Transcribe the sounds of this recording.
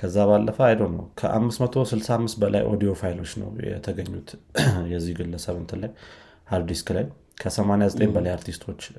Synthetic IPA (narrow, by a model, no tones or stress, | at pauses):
kʰəzːaβalːəfəajd̪əwnəwkʰəʔa̰mːɨsmət̪ʰo̞sɨlsaamːɨst̪̚bəla̰jʔo̞̰d̪ijo̞fajlo̞t͡ʃːnə̰wjɛ̰t̪ʰəɡəɲːut̪jɛzːihɡɨlːəsəβɨnt̪ʰɨlaj | haɾd̪iskʰlaj | kʰəsəmanejazət̪ʼenbəlajaɾt̪ʰist̪ʰwo̞t͡ʃː